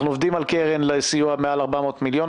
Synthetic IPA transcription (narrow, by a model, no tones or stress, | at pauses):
χnuovd̪imalkeʁenlesijuamealaʁbamo̞ːt̪miljon